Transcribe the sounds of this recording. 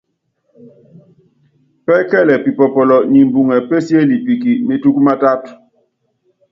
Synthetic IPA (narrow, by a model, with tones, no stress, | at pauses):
pɛ˦kɛ˦lɛ˨pi˨pɔ˨pɔ˨lɔ˨ni˨m˨bu˨ŋɛ˨pe˦sje˦li˨pi˨ki˨me˨tu˦kma˦ta˦t